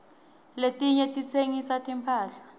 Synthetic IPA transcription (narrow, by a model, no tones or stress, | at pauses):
letʼiɲɛtʼit͡sʰeŋisatʰʼimpʰaːɬḁ